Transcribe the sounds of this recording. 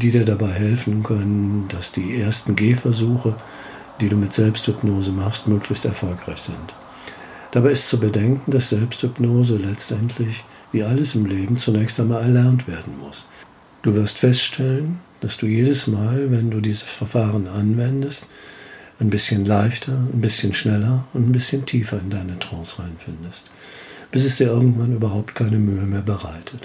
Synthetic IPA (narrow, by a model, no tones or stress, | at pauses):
d̥iːdiːɐdabaɪɦɛlfn̩kʰœnənd̥asd̥iːʔeːɐstn̩ɡeːfɛɐzuːxə | d̥iːduːmɪtz̥ɛlpsthʏpnoːzəmaχstmøːklɪçstɛɐfɔlkʁ̥aɪçz̥ɪnt | d̥abaɪɪstt͡subədɛŋkŋ̩d̥asz̥ɛlpsthʏpnoːzəlɛt͡stʔɛntʰlɪç | viːʔaləsɪmleːbm̩t͡sunɛːçstaɪnmaːlɛɐlɛɐntv̥eːɐdn̩mʊs | d̥uːvɪɐstfɛstʃtʰɛlənd̥asd̥uːjeːdəsmaːlvɛnduːdiːzəsfɛɐfaːʁ̞ənʔanvɛndəstʔaɪnbɪsçənlaɪçtʰɐaɪnbɪsçənʃnɛlɐʊntanbɪsçəntʰiːfɐɪndaɪnətʁ̥ɔ̃ːsʁ̥aɪnfɪndəst | b̥ɪs̬ɛsd̥iːɐʔɪɐɡŋ̩tv̥anʔyːbɐhaʊp̚tkʰaɪnəmyːəmeːɐbəʁaɪtʰət